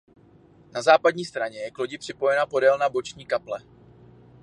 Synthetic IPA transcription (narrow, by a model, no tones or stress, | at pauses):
nazaːpadɲiːst̪ɾaɲɛjɛklo̞ɟɪpr̥ɪpo̞jɛnapo̞dɛlnabo̞t͡ʃɲiːkaplɛ